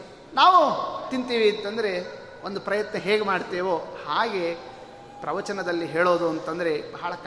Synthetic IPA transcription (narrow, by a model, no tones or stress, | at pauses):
naːʋut̪int̪iːʋiɐnt̪ɐnd̪ɐɾe̞ | ond̪upɾɐjɐt̪nɐɦeːɡemaːɖt̪eːʋohaːɡe̞ | pɾɐʋɐt͡ʃɐnɐd̪ɐlːiɦe̞ːɭoːd̪uɐnt̪ɐnd̪ɐɾe̞bɐɦɐɭɐk